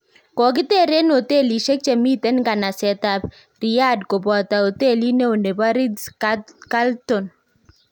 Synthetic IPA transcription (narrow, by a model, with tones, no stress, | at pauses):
kɔ˨k̬ɪ˦t̪e˦˨ɾe˦no˨t̪e˦li˨ʃe˦k̚t͡ʃe˨mi˦t̪e˦nɡa˨na˨sɛ˨t̪a˨b | ɾi˨ja˦dko˨bɔ˨t̪a˨o˨t̪e˦˨li˦ne˦o˨ne˨ba˦ɾi˦dska˦ltɔ˨n